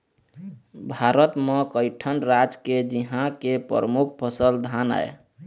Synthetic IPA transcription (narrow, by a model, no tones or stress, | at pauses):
bʱaɾət̪mekəɪʈʰənɾad͡ʒked͡ʒiɦãkepɾə̰ɾəmukʰpʰəsəld̪ʱana̰ḛ